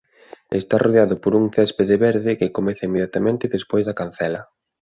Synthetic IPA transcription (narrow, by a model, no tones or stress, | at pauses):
est̪arʔoðeaðʊpoɾuŋθɛspeðɪβɛɾðɪkɪkomɛθɐimːeðjat̪amẽnt̪ɪðespojzðɐkanθɛlɐ